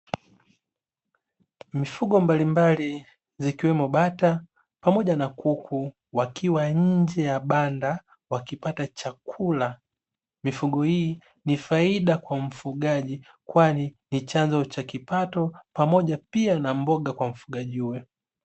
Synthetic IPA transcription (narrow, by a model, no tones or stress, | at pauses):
mifuɠɔmbalimbali | zikiwɛmɔɓata | pamɔʄanakukʰu | wakʰiwaɲ̩d͡ʒɛjaɓanda | wakipatat͡ʃakʰula | mifuɠɔhiː | nifaiɗakwam̩fuɠaʄi | kwaninit͡ʃanzɔt͡ʃakipatɔpamɔʄapianambɔɠakwam̩fuɠaʄiuwɛ